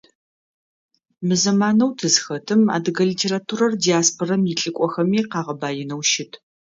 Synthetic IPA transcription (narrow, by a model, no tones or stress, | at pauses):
mɨzɐmaːnɐwtʰɨzxɐtʰɨma̰ːdɨɡɐlitʰeːratʰuɾɐrdiaːspʰorɐmjɪɬʼɨkʷʼɔxɐmiːqɑːʁɐbaːjɪnɐwʃɪtʰ